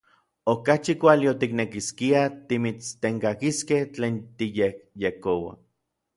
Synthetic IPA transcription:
okat͡ʃikʷaliot̪iknekiskiat̪imit͡st̪eŋkakiskeht͡ɬeːnt̪ijek̚jekowa̰

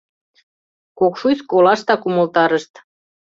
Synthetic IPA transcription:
kokʃujskolɑʃt̪ɑkumɤ̆lt̪ɑɾəʃt̪

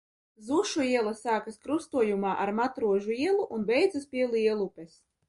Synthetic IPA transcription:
zuʃuiɛlˠasaːkaskɾust̪uɔjumaːʔaɾmat̪ɾuɔʒuiɛlˠuʔunbɛjd̪zaspʲiɛliɛlˠupʲɛs

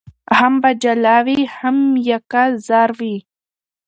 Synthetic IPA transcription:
hambad͡ʒalawihamjakazɑːɾwi

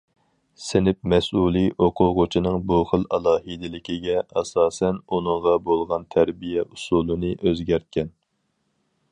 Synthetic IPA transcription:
sɪnɪp̚mɛsulˠiʔoqʰʊʁʊt͡ʃʰinɨŋbuχəlˠɛlˠɑːɦid̪ɪlɪkʲiɡʲɛʔɑsɑːsɛnunɨŋʁɑbolˠʁɑnt̪ʰæɾbijɛʔusulˠɨnɨʔøzɡʲæɾt̪̚kʲɛn

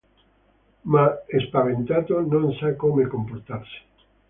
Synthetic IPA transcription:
maespaβent̪at̪onõnsakomekompoɾt̪aɾse̥

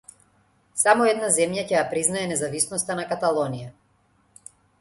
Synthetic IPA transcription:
samɔɛd̪nazɛmjacɛjapɾiznaɛnɛzavisnɔst̪anakat̪alˠɔnija

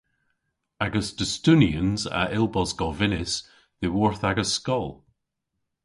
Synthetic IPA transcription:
aɡəsd̥əstʉniə̃nza̰ʔɪlˠbɔzɡɔvɪnɪs | ðewɔɹθaɡəskɔlˠ

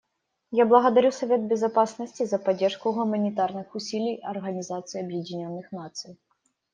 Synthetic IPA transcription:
jablˠɐɣɐd̪ɐɾʲusɐvʲet̪̚bʲɪzɐpasnɐsʲtʲizɐpɐdʲːɛrʂkʊɣʊmɐnʲit̪arnɨxʊsʲilʲijɐrɣɐnʲizat̪sɨjiɐbjedʲinʲɔnːɨxnat̪sɨj

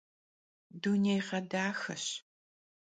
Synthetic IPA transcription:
dunejqɐdaːxɐɕ

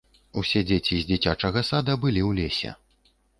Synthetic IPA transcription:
usʲɛd͡zʲet͡sʲizʲd͡zʲit͡sʲat͡ʂɐɣɐsad̪ɐbɨlʲiwlʲesʲɛ̰

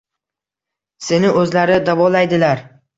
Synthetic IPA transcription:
se̞nɪʔɵzlaɾɪd̪avɒlajd̪ɪlaɾ

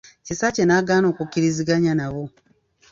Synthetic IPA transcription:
cisacenaɡaːno̞ːkukːiɾiziɡaɲanaβo

